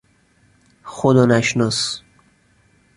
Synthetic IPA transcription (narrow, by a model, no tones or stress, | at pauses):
xod̪ɒːnæʃnɔs